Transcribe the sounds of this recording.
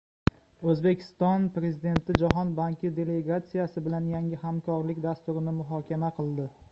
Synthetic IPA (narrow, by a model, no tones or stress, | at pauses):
ɵzbe̞kʲʰɪ̥st̪ɒnpɾe̞zid̪e̞nt̪ʰɪd͡ʒaɦɒnbaŋkʲʰɪd̪e̞le̞ɡat̪sijasɪbɪlanjaŋʲɪhamkʰɒɾlɪkʲd̪ast̪ʊɾɪnɪmʊɦɒkʲʰamaqʰɨlˠd̪ɪ